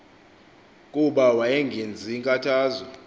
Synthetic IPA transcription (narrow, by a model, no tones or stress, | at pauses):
kʼuɓawajɛŋɡʱend͡zʱiŋkʼatʰaːzɔ